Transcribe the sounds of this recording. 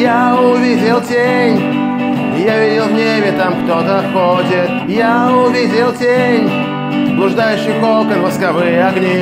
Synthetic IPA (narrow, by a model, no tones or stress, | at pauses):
jaʊvʲidʲɪlˠtʲenʲ | ɪjavʲidʲɪlˠvnʲebʲɪt̪amkt̪ot̪əxotʲɪt̪̚ | jaʊvʲidʲɪlˠtʲennʲ | zblˠʊʐd̪ajʊɕːɪjxokənʲvəskavɨjəaɡnʲi